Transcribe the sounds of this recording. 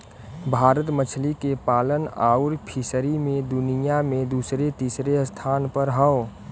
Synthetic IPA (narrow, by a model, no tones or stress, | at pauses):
bʱaːɾət̪mət͡ʃʰlikepaːlənaːuɾpʰɪsəɾimẽd̪ʊnijamẽd̪uːsɾet̪iːsɾest̪ʰaːnpəɾɦə̃